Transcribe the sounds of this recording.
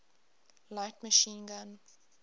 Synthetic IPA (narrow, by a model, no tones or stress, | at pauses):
laɪtməʃĩːnɡãn